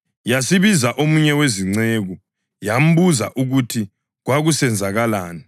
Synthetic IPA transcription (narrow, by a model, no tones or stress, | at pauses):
jasiβizaʔomuɲɛweziŋ͡ǀeːɣu | jam̩βuza̰ʔuɣutʰi | ɣwaɣusɛnd͡zʱaɣalaːni